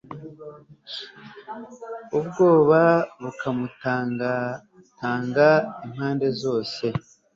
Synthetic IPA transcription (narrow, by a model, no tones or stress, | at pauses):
ubɡo̞ːβaβukʰamut | taːŋɡaim̥haːnde̞zo̞ːse̞